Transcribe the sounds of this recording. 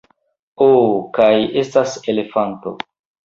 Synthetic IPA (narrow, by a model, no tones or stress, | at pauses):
okaje̞stase̞le̞fanto̞̰